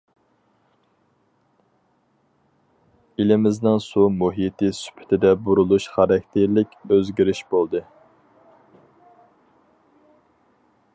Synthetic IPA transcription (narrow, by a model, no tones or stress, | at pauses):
ilɪmɪznɪŋsumuɦit̪ʰɪsy̥pʰɪ̥t̪ʰɪd̪ɛbuɾulˠuʃχɑɾɛkʲt̪ʰeɾlɪkʲøzɡʲiɾɪʃbolˠd̪ɨ